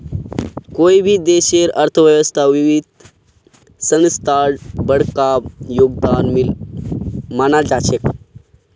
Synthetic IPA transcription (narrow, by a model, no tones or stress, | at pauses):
koibʱiːd̪eɕeɾəɾt̪ʰəʋjəʋəst̪ʰaʋiʋid̪̚ | sə̃nst̪ʰaɽbəɽkaʋjoɡ̚d̪anmil | manaɾd͡zat͡ɕek